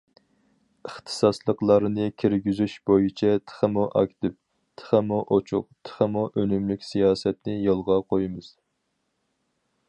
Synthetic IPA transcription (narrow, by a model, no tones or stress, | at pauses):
əχt̪ʰɨ̥sɑslˠəqlˠɑɾnɨkʲʰiɾɡʲyzyʃb̥ojɨt͡ʃʰɛt̪ʰə̥χəmuʔɑ̰kʲt̪ɪp̚ | t̪ʰə̥χəmuʔot͡ʃʰʊ̰qt̪ʰə̥χəmuʔønymlykʲsijɑːsɛt̪nɪjolˠʁɑqʰojɨmɨz̥